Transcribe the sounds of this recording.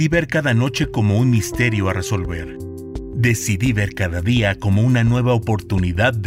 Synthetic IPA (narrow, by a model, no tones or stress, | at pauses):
iβe̞ɾkaðano̞t͡ʃe̞ko̞mo̞unmist̪e̞ɾjo̞are̞so̞lβe̞ɾ | d̪e̞siðiβe̞ɾkaðaðiako̞mo̞unanwe̞βaopo̞ɾt̪uniðað